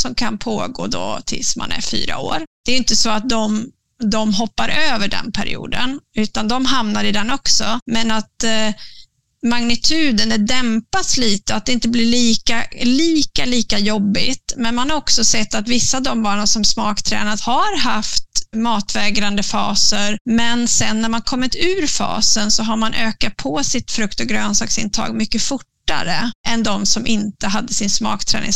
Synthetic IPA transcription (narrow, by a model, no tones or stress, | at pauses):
sɔmkʰanpʰoːɡo̰ːd̪ɔ̰t̪ʰɪ̰lsma̰nɛ̰ɾfy̰ːɾa̰o̰ːɾd̪̥ɛɾjʏɪnt̪əsɔat̪̚d̪ɔm | d̪ɔmɦɔpːaɾʔøːvəɖɛ̰npʰæɾɪ̰ṵːd̪ə̰nʉ̟ːt̪and̪ɔmɦamnaɾɪd̪ɛnːɔksɔmɛnat̪ | maŋnɪt̪ʰʉ̟ːd̪ənɛd̪ɛmpat̪sliːt̪əat̪̚d̪ɛɪnt̪əblɪɭiːkaliːkaliːkajɔbːɪ̰t̪mɛnmanhaɾɔksɔsɛt̪ːat̪vɪsːad̪ɔmbɑːɳənsɔmsmɑːkt̪ʰɾɛ̰ːnat̪haɾɦaft̪mɑːt̪vɛːɡɾand̪əfɑ̰ːsəɾmɛnsɛnːæɾmankʰɔmːɪt̪ʉ̟ːɾfɑ̰ːsənsɔɦaɾmanʔøːkat̪̚pʰɔsɪt̪fɾɵkt̪ɔɡɾøːnsɑːksɪ̰nt̪ʰɑ̰ːɡmʏkːəfʊʈːa̰ɾə̰ʔɛnd̪ɔmsɔmʔɪnt̪əɦad̪ːəsɪnsmɑ̰ːkt̪ʰɾɛ̰ːnɪ̰ŋ